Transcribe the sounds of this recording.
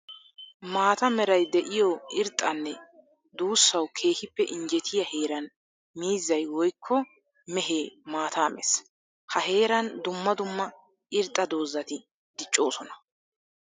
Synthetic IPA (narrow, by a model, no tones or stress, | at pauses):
maːt̪ɐmɛɾɐjd̪ɛʔɪjɔɪɾt̪ʼːɐnːɛ | d̪uːsːɐwkʰe̞ːhɪpːɛʔɪnd͡ʒɛt̪ʰɪjɐheːɾɐn | miːzːɐjwɔjkʰːɔ | mɛɦeːmaːt̪aːmɛ̰s | hɐɦe̞ːɾɐnd̪ʊmːɐd̪ʊmːɐ | ɪɾt̪ʼːɐd̪o̞ːzːɐt̪ɪ | d̪ɪt͡ʃʼːo̞ːsɔnɐ̥